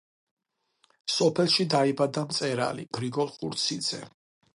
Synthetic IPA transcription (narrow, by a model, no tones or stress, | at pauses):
sɔpʰɛlˠʃid̪aibad̪amt̪sʼɛɾa̰lḭb̥ɾiɡɔlˠχṵɾt̪sʰid̪z̥ɛ